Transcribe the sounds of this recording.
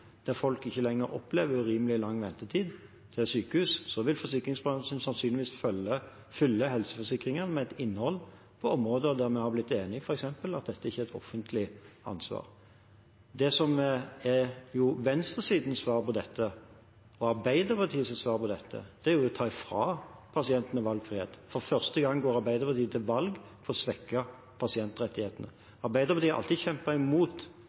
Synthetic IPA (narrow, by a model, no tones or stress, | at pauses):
d̪̥æʁfɔlkɪçːəlɛŋːəɾɔ̰pleːʋəɾʉɾiːməlɪlɑŋːʋɛnt̪ət̪ʰiːd̪ | t̪ʰɪlsyːkəhʉːssɔʋɪlfɔsɪkɾɪŋsbʁɑnsənsɑnsyːnlɪʋiːsfœlə | fʏlːəɦɛlsəfɔsɪkɾɪŋənmɛɛt̪ɪnːhɔlː | pʰɔɔmɾoːd̪əɔd̪æɾmɛhɑblɪt̪ːeːnɪfɔɾɛksɛmpəlɑt̪̚d̪ɛt̪ːəæɪçːəɛt̪ʰɔ̰fːənt̪ʰlɪɑ̰nsʋɑ̰ːʁ | d̪ɛsɔmɛjʊʋɛnst̪əsiːd̪n̩sʋɑːʁpɔd̪ɛt̪ʰːə | ɔɑɾʁbæɪd̪əpɑt̪ʰiːəsɛsʋɑːʁpʰɔd̪ɛt̪ʰːə̰d̪̥ɛæɾjʊɛt̪ʰɑːɪfɾɑːpʰɑsɪɛnt̪ənəʋɑlɡfɾɪeːt̪fɔʁfœʁst̪əɡɑŋːɡoːɾɑɾbæɪd̪əpɑt̪iːət̪ʰɪlʋɑlɡpʰɔɾɔsʋɛkːɑ | pʰɑsɪɛnt̪ʁɛt̪ːɪheːt̪ənə̰ | ɑɾbæɪd̪əɾpʰɑt̪iːɑ̰lt̪id̪çɛmpəɪmuːt̪